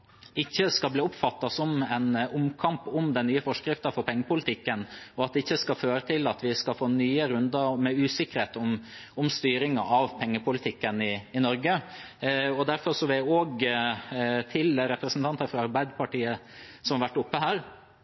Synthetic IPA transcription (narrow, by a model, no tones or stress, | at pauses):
ɪçːəskɑlbliːʊpfɑt̪ːɑsɔmɛnʔʊmkʰɑmpɔmd̪ɛnnyːəfɔʂkɾɪft̪əfɔɾpʰɛŋːəpʰʊlɪt̪ʰɪkːənɔɑt̪̚d̪ɛɪçːəskɑføːɾət̪ʰɪlɑt̪ʋɪskɑfoːnyːəɾʉnd̪əɾmɛʉːsɪkːəɾheːt̪ɔm | ʊmst̪yːɾɪŋɑ̰ʔɑʋpʰɛŋːəpʰʊlɪt̪ʰɪkːənɪɪnɔɾɡə | ɔd̪æɾfɔɾʂɔʋɪoːɡ | t̪ʰɪlɾɛpɾəsnt̪ʰɑnt̪əɾfɾɑɑɾbæɪd̪pʰɑʈiːəsɔmhɑɾʋæʈːʊpːəɦæːɾ